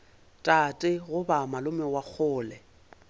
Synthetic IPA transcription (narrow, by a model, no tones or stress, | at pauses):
tʼatʼɪɣʊbamalʊmɛwak͡xʰʊːlɛ